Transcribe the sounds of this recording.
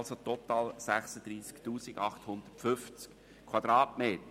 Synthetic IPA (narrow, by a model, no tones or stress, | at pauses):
lsot̪ɔt̪ɑːlsæχsəd̥̪ɾiːsktuːsiɡɑχthʊnd̪̥ətfʏft͡sk | kʰwɑd̪ɾɑːtmeːt̪ə